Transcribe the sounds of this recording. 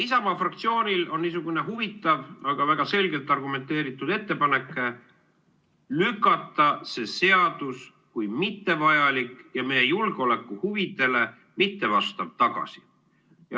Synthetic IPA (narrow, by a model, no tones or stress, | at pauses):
isɑmɑfrɑk̚t̪sio̞ːnʲilo̞nniːs̬uɡ̥une̞ɦuvit̪ˑːɑvɑɡ̥ɑvæɡ̥ɑse̞lɡe̞lt̪ːˑɑrɡ̥ume̞nt̪ːe̞ːɾit̪ːˑud̪e̞t̪ːe̞pɑne̞kːˑe | lykˑːɑt̪ːˑɑse̞se̞ɑd̪̥us | kujmit̪ːe̞vɑjɑlikˑjɑme̞jejulɡ̥eo̞lekːˑuhuvid̪̥e̞le̞ | mit̪ːe̞vɑst̪ɑb̥̚t̪ɑɡ̥ɑ̰si̥ | jɑ